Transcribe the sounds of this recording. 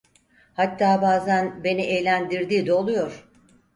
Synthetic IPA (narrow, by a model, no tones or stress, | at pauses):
hat̪ʰːaːbaːzænbe̞niejlʲænd̪iɾd̪iːd̪ɛolˠujoɾ̥